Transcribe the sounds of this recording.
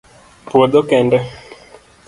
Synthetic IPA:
pwod̪okɛndɛ

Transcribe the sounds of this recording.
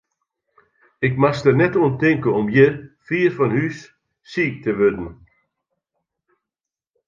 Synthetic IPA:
ɪkmastərnɛtuəntɪŋkəɔmjəfiːrfɔnhysː | iːk̚təʋødn̩

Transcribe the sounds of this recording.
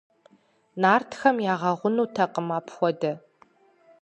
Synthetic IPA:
naːrtʰxɐmjaːʁɐʁʷʊnuːtʰɐqəmaːpʰxʷɔdɐ

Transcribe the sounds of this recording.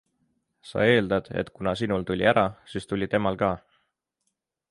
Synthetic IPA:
sɑ̰e̞ːld̪ɑd̪̥ḛt̪kunɑsinult̪ulʲiæɾɑsiːst̪ulʲit̪e̞mɑlkɑː

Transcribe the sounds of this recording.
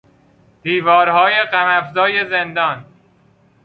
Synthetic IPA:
d̪̥iːvɒːɾɦɒːje̞ɢæmæfzɒːje̞zend̪ɒːn

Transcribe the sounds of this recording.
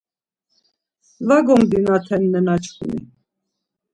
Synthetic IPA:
vaɡɔmd̪inat̪ʰɛnːɛnat͡ʃʰχṵnḭ

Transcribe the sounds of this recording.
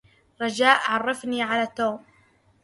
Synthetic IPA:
ɾˤɑd͡ʒaːʔʕɑrˤːɑfniʕalat̪ːoːm

